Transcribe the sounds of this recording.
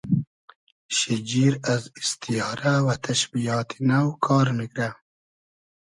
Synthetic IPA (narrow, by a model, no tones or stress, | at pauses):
ʃid͡ʒiɾazist̪ʰijɑːɾawat̪ʰaʃbijɑːt̪ʰinawkʰɑːɾmikɾa